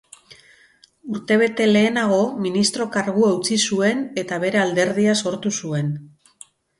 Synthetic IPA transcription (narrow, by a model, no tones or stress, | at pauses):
uɾt̪e̞β̞e̞t̪e̞le̞ːnaɣ̞o̞minist̪ɾo̞kaɾɣ̞uaut͡sisue̞ne̞t̪aβe̞ɾe̞ald̪e̞ɾðiaso̞ɾt̪usue̞n